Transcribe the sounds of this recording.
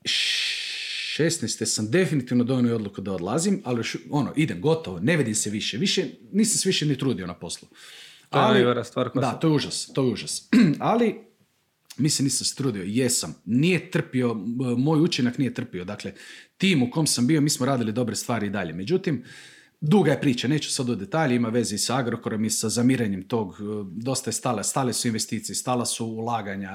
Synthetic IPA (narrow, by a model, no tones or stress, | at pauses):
ʃest̪nɛjst̪esamd̪e̞finit̪iʋnod̪onujo̞d̪lˠukud̪aod̪lˠazimalijoʃo̞noʔid̪emɡo̞t̪oʋone̞ʋid̪imseʋiʃeʋiʃeniːsamseʋiʃenit̪ɾuːd̪ionapo̞slˠo | aliʋɾast̪ʋaːɾkdd̪at̪ojeuʒast̪o̞jeuʒasali | miːseniːsamse̥t̪ɾuːd̪iojesamnijet̪r̩pio̞mo̞jut͡ʃinaknije̞t̪r̩pio̞d̪akle̞t̪iːmuko̞msambio̞miːsmoɾaːd̪ilid̪o̞bɾest̪ʋaːɾiid̪aʎe̞me̞d͡ʒut̪im | d̪uɡaje̞pɾiːt͡ʃane̞ːt͡ʃu̥sad̪ud̪d̪et̪aːʎeimaʋe̞zeisaaɡɾokoɾo̞misazamiːɾeɲemt̪o̞ːɡd̪o̞st̪ajest̪aːlast̪aːlesuinʋest̪iːt̪sijest̪aːlasuːlˠaːɡaɲa